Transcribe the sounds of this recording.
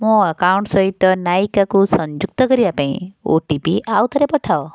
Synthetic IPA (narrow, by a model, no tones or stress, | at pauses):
mũəkauɳʈsʌɦit̪ɔnajkakusɔɲd͡ʒuk̚t̪ɔkəɾiapãĩo̰ʈipiʔawt̪ʰəɾepɔʈʰao